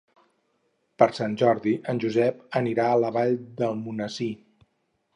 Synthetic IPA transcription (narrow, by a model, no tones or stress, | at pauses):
pəɾsanʲʒɔɾðiʔənʲʒuzɛpəniɾaələβ̞aʎd̪əlˠmunəsi